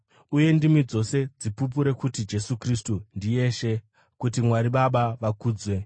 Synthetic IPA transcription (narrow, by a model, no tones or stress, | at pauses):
uje̞ndimwid͡zo̞se̞d͡zipup̬uɾe̞kutid͡ʒe̞sukristundije̞ːʃe̞ | kutimwaɾiɓaɓaʋakuːd͡zwe